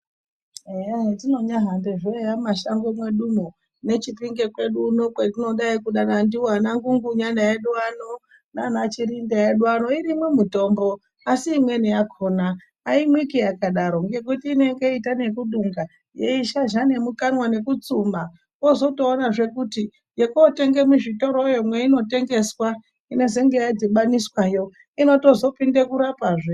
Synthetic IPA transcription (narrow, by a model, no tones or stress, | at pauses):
ejatino̞ɲaɦandeʐejamaʃaŋɡomweɗumo | ne̞t͡ʃipiŋɡekwe̞ɗunokwetino̞ɗaikuɗanandiwanaŋɡuŋɡuɲandajeɗwano̞ | nanat͡ʃirindajeɗwano̞iɾimwemuto̞mbo̞ː | siːmwe̞nijakʰonaː | imwikijakaɗaɾo̞ŋɡe̞k̬utiːne̞ŋɡe̞itane̞kuɗuŋɡa | jeiʃaʒane̞mukanwane̞kut͡suːma | ozo̞to̞ːnaʐe̞kuti | jekote̞ŋɡe̞muʐito̞ɾo̞jo̞mwe̞ino̞te̞ŋɡe̞swa | ine̞ze̞ŋɡejad͡ziɓaniswaːjo̞ | ino̞to̞zo̞pindekuɾapaːʐe